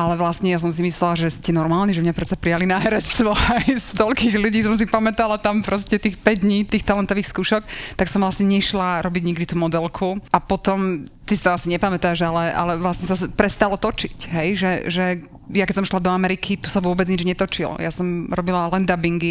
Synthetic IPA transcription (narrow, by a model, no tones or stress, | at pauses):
ʔalɛʋlasɲɛjas̬ɔms̬imislɛlaʒɛscɛnɔɾmaːlniʒɛmɲapɾɛt̪t͡sapɾijalinaːɦɛɾɛt͡st̪ʋɔajst̪ɔlkiːɣluɟiːsɔms̬ipamɛt̪alat̪ampɾɔscɛt̪iːxpɛɟd̪ɲiːt̪iːxt̪alɛnt̪ɔʋiːxskuːʃɔkt̪aksɔmʋlasɲɛɲɛʃlaɾɔbiɟɲiɡd̪it̪uːmɔd̪ɛlkʰuapɔt̪ɔmt̪isi̥t̪ɔasiɲɛpamɛt̪aʒalɛʔa̰lɛʋlasɲɛsaspɾɛst̪alɔt̪ɔt͡ʃicɦɛjʒɛʒɛ | jakɛsɔmʃlad̪ɔamɛɾikʰit̪usaʋʊɔbɛd͡zɲid͡ʒɲɛt̪ɔt͡ʃḭl̰ja̰sɔmɾɔbilalɛnd̪abiŋɡi